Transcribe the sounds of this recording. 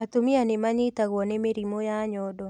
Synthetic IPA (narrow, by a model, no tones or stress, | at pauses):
at̪omianɪmaɲetaɣɔnɛmeɾimojaɲɔdɔ